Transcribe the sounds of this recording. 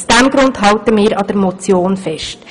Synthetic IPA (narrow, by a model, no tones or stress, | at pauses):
sd̥æmɡɾʊndɦɑltəmɪːɾɑd̥əɾmɔt͡sjoːnfɛʃt